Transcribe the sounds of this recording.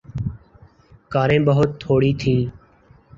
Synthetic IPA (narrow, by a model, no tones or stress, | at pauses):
kaːɾẽːɓəɦʊt̪ʰːoːɽiːt̪ʰiː